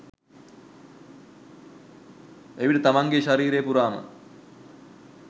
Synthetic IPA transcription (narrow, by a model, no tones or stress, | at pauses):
eʋiʈət̪amaŋɡeʃaɾiːɾeːpuɾaːmə̰